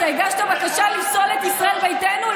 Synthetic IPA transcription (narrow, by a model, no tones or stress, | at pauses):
eɡaʃt̪abakaʃalimsolet̪isʁaelvejt̪enu